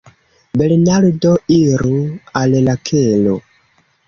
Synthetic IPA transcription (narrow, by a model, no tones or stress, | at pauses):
belnaɾdoiɾuallakʰelo̰